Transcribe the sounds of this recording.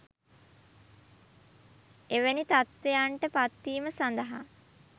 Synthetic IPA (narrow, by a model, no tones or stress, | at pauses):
eʋenit̪at̪ʋejaɳʈəpat̪ːiːməsand̪əɦa